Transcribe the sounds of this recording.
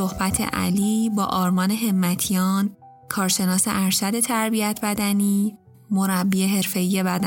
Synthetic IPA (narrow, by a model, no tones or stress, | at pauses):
ohbæt̪ʰḛʔæ̰liːbɒ̰ːʔɒːɾmɒːne̞ɦe̞mːæt̪ʰijɒːn | kʰɒːɾʃe̞nɒːse̞̰ʔæɾʃæd̪e̞t̪ʰæɾbiæt̪ʰbæd̪æniː | moɾæbːiːe̞ɦe̞ɾfe̞iːje̞bæd̪æ